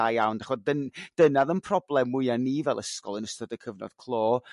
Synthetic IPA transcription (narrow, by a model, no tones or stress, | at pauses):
ajawndaχɔdənd̥ənaðənpʰrɔblˠɛmːʊɨanːivɛlˠəskɔ̰lˠənəstɔdəkʰəvnɔ̰d̥kʰlˠoː